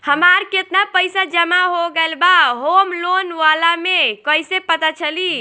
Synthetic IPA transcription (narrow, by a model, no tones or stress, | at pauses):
həmaɾket̪napəjsad͡ʒəmaɦoɡelbaɦomlonʋalamekəjsepət̪at͡ʃʰəli